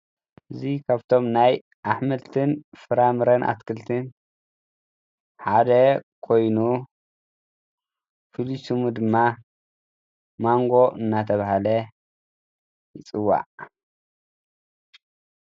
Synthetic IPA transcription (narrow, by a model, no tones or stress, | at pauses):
ʔɨzikʰaβt̪ʰo̞mnaj | ʔaħmɐlt̪ʰɨnfɨɾamɨɾɐnʔa̰t̪kʰɨlt̪ʰɨn | ħad̪ɐkʰo̞jnu | fɨlisumud̪ɨmːa | maŋɡo̞ʔɨnːat̪ʰɐβahalɐ | jɪt͡sʼɨwːa̰ʕ